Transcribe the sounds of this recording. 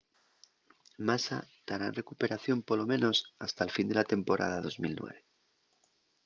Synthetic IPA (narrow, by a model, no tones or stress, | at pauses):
masa̰ | t̪aɾanre̞kupe̞ɾaθjo̞mpolo̞mẽ̞no̞sast̪aelfind̪e̞lat̪e̞mpo̞ɾʔa̰ðaðo̞zmilnwḛβe